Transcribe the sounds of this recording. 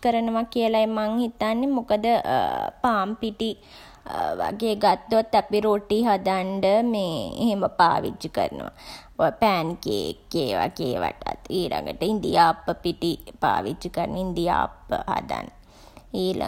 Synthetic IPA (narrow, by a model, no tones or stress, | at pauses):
kəɾənəʋakiəlaemaŋhit̪anːemukəd̪əpaːmpiʈi | ʋa̰ɡeːɡat̪ːuat̪ːapiɾoʈiɦad̪aɳɖəmeːḛɦeməpa̰ːʋḭt͡ʃːikə̰ɾənə̰ʋa | opæːnkeːkːeːʋa̰ɡeːʋa̰ʈat̪iːlʔa̰ŋɡəʈəind̪ijaːpːəpiʈipa̰ːʋit͡ʃːikəɾənʔəind̪ija̰ːpːə̰ha̰d̪a̰n | iːla̰